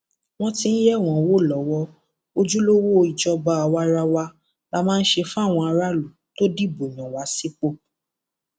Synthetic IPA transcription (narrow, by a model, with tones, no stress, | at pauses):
w̃ɔ̃˧tĩ˧n̩˦jɛ˦˨w̃ɔ̃˨wo˦˨lɔ˨˦wɔ˧ | o˧d͡ʒu˦lo˦wo˦˧i˨d͡ʒɔ˧ba˧˦a˧wa˧˦ɾa˧wa˧ | la˦˧mãː˦n̩˦ʃe˧fũ˦a˦˨w̃ɔ̃˧a˧ɾa˦lu˨to˦di˦˨bo˨j̃ɔ̃˨wa˨˦si˦k͡po˦˨